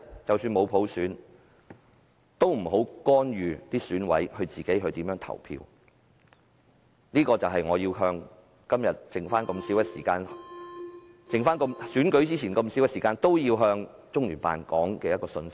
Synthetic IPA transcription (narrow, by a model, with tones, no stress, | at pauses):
t͡sɐ˨wsyː˧nmo˨˧wpʰo˨˥wsyː˨˥n | t̪o˥wm̩˨˩ɦo˨˥wkɔː˥nɥyː˨˧t̪iː˥syː˨˥nwɐ̰˨˥jhɵ˧ɥt͡siː˨ke˨˥jɦɵ˧ɥt̪i˨˥jœː˧˥ŋt̪ʰɐ̰˨˩wpʰḭː˧w | liː˥kɔː˧t͡sɐ˨wɦɐ˨jŋɔː˨˧jiː˧wɦœː˧ŋ | kɐ˥mjɐ˨t̚t͡sɪ˨ŋfaː˥nkɐ˧msi˨˥wjɐ˥sḭː˨˩kaː˧n | t͡sɪ˨ŋfaː˥nkɐ˧msyː˨˥nkɵ˨˥ɥt͡siː˥t͡sʰiː˨˩nkɐ˧msi˨˥wjɛ˧˥siː˨˩kaː˧nt̪o˥wjiː˧wɦœː˧ŋ | t͡sʊ˥ŋlyː˨˩pa̰ː˨nkɔ̰ː˨˥ŋkɛː˧jɐ˥kɔː˧sɵ˧nsɪ˥